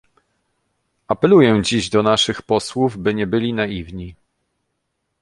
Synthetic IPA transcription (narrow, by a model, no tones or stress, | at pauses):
apɛlujɛ̃d͡ʑiʑd̪ɔnaʂɘxpɔswuvbɘɲɛbɘlʲinajivɲi